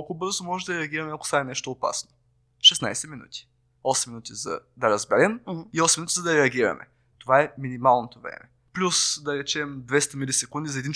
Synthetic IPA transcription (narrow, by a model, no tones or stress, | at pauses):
olˠkoobɤɾzot̪omɔʒɛd̪ɐɾɛɐɡʲiɾɐmɛɐko̥saɛnɛʃt̪oːpa̰sno | ʃɛsna̰jsɛminṵt̪ʲi̥ | ɔsɛmːinut̪ʲizɐ̰d̪ɐɾɐzbɛɾɛmiɔsminut̪izɐd̪ɐɾɛɐɡʲiɾɐ̰mɛ̰ | t̪ovaɛminimalˠnot̪ovɾɛ̰mɛ | plʲusd̪ɐɾɛt͡ʃɛmd̪vɛst̪ɐmilʲisɛkund̪izɐɛd̪in